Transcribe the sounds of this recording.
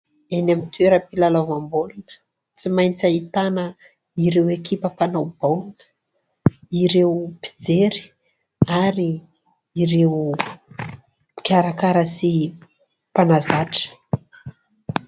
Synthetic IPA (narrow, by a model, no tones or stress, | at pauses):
enamit̪ueɾəmpilalavambolunə̥ | t͡simajnt͡sait̪anə | iɾewekipəpanawb̥alunə̥ | iɾewpi̥d͡zeɾi̥ | aɾi | iɾew | kʲaɾakaɾəsi | panazaʈ͡ʂə̥